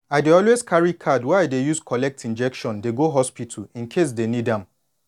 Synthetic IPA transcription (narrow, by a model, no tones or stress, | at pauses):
aɪdeɔlweskʰaɹikʰadwaɪdejuskʰɔlɛk̚tʰĩnd͡ʒɛkʃɔ̃ndeɡoɦɔspitʰəl̩ĩnkʰes̬denidãm